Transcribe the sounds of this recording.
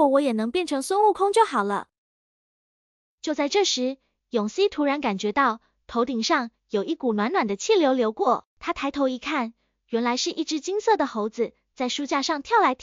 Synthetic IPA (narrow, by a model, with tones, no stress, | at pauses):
ɔ˩wɔ˧˥jɛ˨˩nɤ˧˥ŋpjɛ˥˩nʈ͡ʂʰɤ˧˥ŋswʊ˥nu˥˩kʰʊ˥ŋt͡ɕjo˥˩ʊxɑ˨˩ʊlə̰˦ | t͡ɕjo˥˧ʊt͡sa˥˧ɪʈ͡ʂɤ˥˩ʂɻ̩˧˥ | jʊ˨˩ŋɕi˥t̪ʰu˧˥ɻa˧˥nka˨˩nt͡ɕɥɛ˧˥t̪ɑ˥˩ʊ | t̪ʰo˧˥ʊt̪i˨˩ŋʂɑ˥˩ŋ | jo˨˩ʊʔi˥˩ku˨˩nwa˧˥nwa˨˩nd̪ə˦t͡ɕʰi˥˩ljo˧˥ʊljo˧˥ʊkwɔ˥˩t̪ʰa˥t̪ʰa˧˥ɪt̪ʰo˧˥ʊi˧˥kʰa˥˩n | ɥɛ˧˥nla˧˥ɪʂɻ̩˥˧ʔi˥˩ʈ͡ʂɻ̩˧˥t͡ɕi˥ŋsɤ˥˩d̪ə˩xo˧˥ʊd͡zɹ̩˧ | t͡sa˥˧ɪʂu˥t͡ɕja˥˧ʂɑ˥˧˩ŋt̪ʰjɑ˥˩ʊla˧˥ɪt̪ʰ